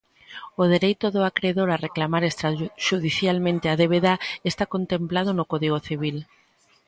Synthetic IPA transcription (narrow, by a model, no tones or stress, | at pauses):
oðeɾejt̪oðoakɾeðoɾareklamaɾest̪ɾaʃuðiθjalmẽnt̪eaðeβeðaest̪akont̪emplað̞onokɔðiɣ̞oθiβ̞il